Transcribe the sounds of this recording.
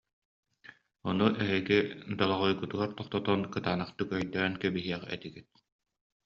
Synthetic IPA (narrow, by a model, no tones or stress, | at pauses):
ɔnuʔɛɦiɡid̪alˠaʁujɡut̪uɡaɾt̪ɔχt̪ɔt̪ɔnkɯt̪aːnaχt̪ɯkœjd̪ɛːnkɛbiɦiɛʁɛ̰t̪iɡit̪̚